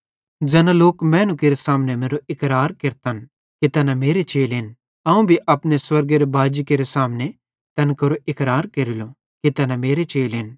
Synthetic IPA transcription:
d͡ʒɛnãloːkmɛ̃ːnʊ̃keɾesaːmnemeːɾoʔɪkɾaːɾkeɾt̪ɐn | kit̪ɛnameːɾet͡ʃeːlɦɪn | ɐũbʱiʔɐpneswɐɾɡeɾebaːd͡ʒikeɾesaːmne | t̪ɐnkɐɾoʔɪkɾaːɾkɐɾɪlo | kit̪ɛnameːɾet͡ʃeːlɦɪn

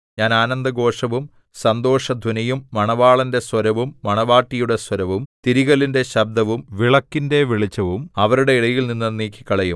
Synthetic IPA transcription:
ɲaːnaːnɐnd̪ɐɡo̞ːʂɐʋum | sɐnd̪o̞ːʂɐd̪ʱunɐjumːɐɳɐʋaːɭɐnde̞swɐɾɐʋumːɐɳɐʋaːʈːijuɽe̞swɐɾɐʋumt̪iɾiɣɐlinde̞ɕɐb̚d̪ɐʋumʋiɭɐkːinde̞ʋiɭit͡ɕːɐʋumɐʋɐɾuɽe̞iɽɐjilninːɐniːkːi̥kːɐɭɐjum

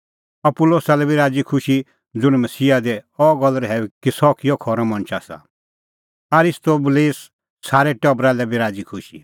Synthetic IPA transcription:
ɔpʊloːsalɛbiɾaːd͡zikʰʊʃi | d͡zʊɽ̃mɐsiːad̪ɛɔɡɔlɾɦɛukisɔkɪjɔkʰɔɾɔ̃mɐ̃ɽ̃t͡ʃʰasa̰ | ɐɾɪst̪oːbuleːs | saːɾɛʈɔbɾalɛbʱiɾaːd͡zikʰʊʃi

